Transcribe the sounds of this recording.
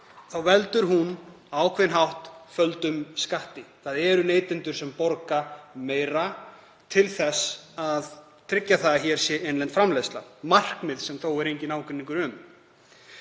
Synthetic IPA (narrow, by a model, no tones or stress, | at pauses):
θawvɛlt̪ʏɾɦun | awkʰvɛnɦawht̪fœlt̪ʏmskaht̪ɪθaðɛɾʏneːjt̪ɪnt̪ʏɾ̥sɛmpɔɾkameːjɾa | t̪ʰɪlθɛsːað | t̪ʰɾɪcːaθaðaçɛɾ̥sjɛʔenlɛnt̪fɾamleːðst̪la̰mar̥kmɪðsɛmθowɛɾejɲcɪnaːwkɪnːiŋkʏɾʏm